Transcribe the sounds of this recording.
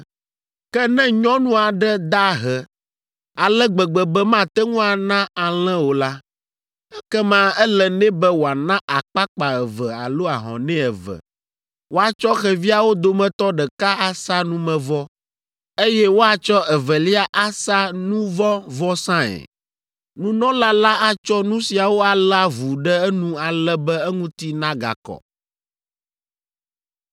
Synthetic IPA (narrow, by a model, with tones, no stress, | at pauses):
kɛ˦nɛ̃˦ɲɔ̃˦nũ˦a˨ɖɛ˦d̪a˦ɦɛ˨ | a˨lɛ˦ɡ͡bɛ˨ɡ͡bɛ˨bɛ˦mã˦t̪ɛ˦ŋũ˦a˨nã˦a˨l̃ɛ̃˦wo˨la˦ | ɛ˦kɛ˦mã˦ɛ˦lɛ˦nɛ̃˦bɛ˦wo˨a˨nã˦ʔa˨k͡pa˦k͡pa˨ɛ˨vɛ˨a̰˨lo˦a˨ɦɔ̰̃˨nɛ̃˦ɛ˨vɛ̰˨ | wo˦a˨t͡ʃɔ˦xɛ˨vi˦a˨wo˦d̪o˦mɛ̃˨t̪ɔ˦ɖɛ˨ka˦a˨sa˦nũ˦mɛ̃˨vɔ˦ | e˦jɛ˦wo˦a˨t͡ʃɔ˦ɛ˨vɛ˨li˦a˦ʔa˦sa˦nũ˦vɔ˦vɔ˦sã˦ɛ̰˨ | nũ˦nɔ̃˦la˦la˦a˦t͡ʃɔ˦nũ˦si˨a˨wo˦a˨la˦vu˨ɖɛ˦ɛ˦nũ˦a˨lɛ˦bɛ˦ɛ˦ŋũ˦t̪i˦nã˦ɡa̰˨kɔ̰˨